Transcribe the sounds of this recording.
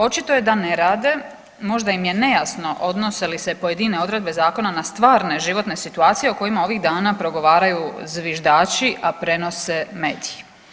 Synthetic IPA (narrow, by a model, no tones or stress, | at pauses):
o̞t͡ʃit̪o̞je̞d̪ane̞ɾaːd̪e̞ | mo̞ʒd̪aimje̞ne̞jasno̞ʔo̞d̪no̞se̞lise̞pojed̪ine̞o̞d̪ɾe̞d̪̚be̞zaːko̞nanast̪ʋaːɾne̞ʒiʋo̞t̪ne̞sit̪uaːt̪sije̞uko̞jimao̞ʋiɣd̪aːnapɾo̞ɡo̞ʋaːɾajuzʋiʒd̪aːt͡ʃiʔapɾe̞no̞se̞me̞ːd̪iji